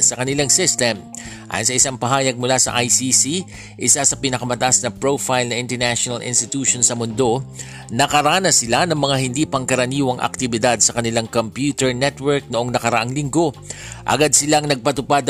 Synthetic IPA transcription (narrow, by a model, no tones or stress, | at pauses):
sɐkɐnɪlaŋsɪst̪ɛmʔa̰ːjʊnsɐʔɪsaŋpɐɦaːjɐɡ̚mʊlasɐ̰ʔajsisi | ʔɪsasɐpɪnɐkɐmɐt̪ɐʔasnɐpɹofajlnɐʔɪ̃nt̪ɛɹnaʃonɐlʔɪ̰nst̪ɪt̪uːʃonsɐmʊnd̪o̞ | nɐkɐɾaːnɐsɪlanɐŋmɐŋaɦɪnd̪iːpɐŋkɐɾɐniːwɐŋʔɐ̰k̚t̪ɪbɪd̪ad̪sɐkɐnɪlaŋkompjuːt̪ɛɹnɛt̪wɛɹk̚noʔo̞ŋnɐkɐɾɐʔaŋlɪŋɡo̞ʔɐ̰ɡad̪̚sɪlaŋnɐɡ̚pɐt̪ʊpad̪